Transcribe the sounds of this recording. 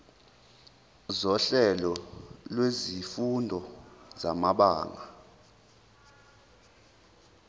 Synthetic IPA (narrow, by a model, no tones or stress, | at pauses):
zɔɬɛlɔlwezifundʱɔza̰maɓaːŋa